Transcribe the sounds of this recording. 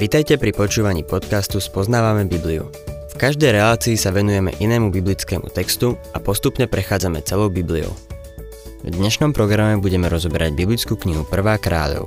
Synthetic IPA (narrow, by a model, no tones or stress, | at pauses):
ʋit̪ajcɛpɾipɔt͡ʃuːʋaɲiːpɔt̪kast̪uspɔznaːʋamɛbibliṵ | fkaʒd̪ɛjɾɛlaːt͡siːsaʋɛnujɛmɛ̰ʔinɛːmubiblit͡skɛːmṵt̪ɛkst̪uapɔst̪upɲɛpɾɛxaːd͡zamɛt͡sɛlɔʊbibliɔ̰ʊ | vd̪ɲɛʃnɔmpɾɔɡɾamɛbuɟɛmɛɾɔzɔbɛɾa̰ɟbiblit͡skuːkɲiɦupr̩ʋaːkɾa̰ːʎɔ̰ʊ